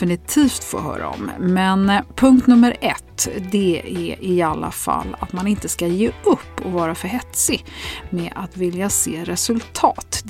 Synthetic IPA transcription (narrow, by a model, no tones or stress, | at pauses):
ɪnɪt̪ʰiːft̪fo̰ːɦœ̰ːɾʔa̰ɔ̰mmɛnpʰɵŋkt̪nɵmːəɾɛt̪ːd̪ɛæʔɪalːa̰fa̰lːa̰t̪manɪnt̪əskajeːɵpːɔvɑːɾafœɾɦɛt̪sɪmɛat̪vɪljaseːɾɛsɵlt̪ʰɑːt̪